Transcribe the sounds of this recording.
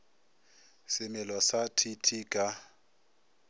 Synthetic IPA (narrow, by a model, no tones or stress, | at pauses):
sɪmɪlɔsatʰitʰiːkʼa